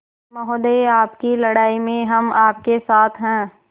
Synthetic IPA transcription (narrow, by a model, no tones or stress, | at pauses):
mɔɦod̪eiaːpkilɐɽaːimẽɦɐmaːp̚kesaːt̪ʰɦɛ̃ː